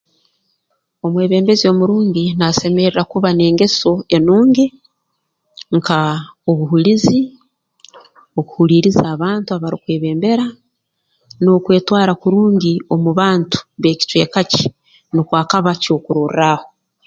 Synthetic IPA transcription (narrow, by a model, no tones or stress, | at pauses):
o̞mwe̞ːβe̞ːmbe̞zio̞muɾuːɲɟinase̞me̞ɾiɾakuβane̞ːŋɡe̞so̞e̞nuːŋɡi | ŋkʰao̞βuɦulizi | o̞kuhuliːɾizaːβaːntuaβaɾikwe̞ːβe̞ːmbe̞ɾa | no̞kwe̞ːtwaːɾakuɾuːɲɟio̞muβaːntu̥βe̞ːci̥twe̞ːkaci̥ | nikwaːkaβaco̞ːkuɾuraːho̞